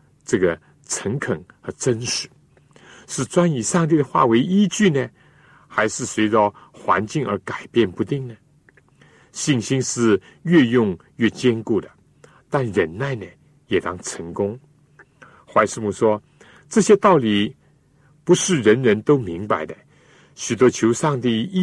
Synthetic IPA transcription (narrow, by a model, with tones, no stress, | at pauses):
ʈ͡ʂɤ˥˩ɡə˩ | t͡sʰə˧˥ŋkʰə˨˩ŋxə˧˥ʈ͡ʂə˥nʂɻ̩˨˧˩ | ʂɻ̩˥˩t͡swa˥ni˨˩ʂɑ˥˧ŋt̪̬i˥˩ɾə˩xwa̰˥˩we˧˥ɪi˥t͡ɕy˥˩nə˩ | xa˧˥ɪʂɻ̩˥˩swe˧˥ɪʈ͡ʂə˥˧ | xwa̰˧˥nt͡ɕi˥˩ŋə̰˧˥ka˨˩ɪpjɛ˥˩npu˧˥t̪i˥˩ŋnə˩ | ɕi˥˩ŋɕi˥nʂɻ̩˥˧ | ɥɛ˥˧jʊ˥˧ŋ | ɥɛ˥˩t͡ɕjɛ˥nku˥˩d̪ə˩ | t̪a˥˩nɻə˧˥nna˥˩ɪnə˩ | jɛ˨˩t̪ɑ˥ŋʈ͡ʂʰə˧˥ŋkʊ˥ŋ | xwa˥˧ɪʂɻ̩˥˧mu˥˩ʂwɔ˥ | ʈ͡ʂɤ˥˧˩ɕjɛ˥t̪ɑ˥˩ʊli˨˩ | pu˧˥ʂɻ̩˥˩ɻə˧˥nɻə˧˥nt̪o˥ʊmi˧˥ŋpa˧˩ɪd̪ə˧ | ɕy˨˩t̪̬wɔ˥t͡ɕʰjo˧˥ʊʂɑ˥˧ŋt̪i˥˩˥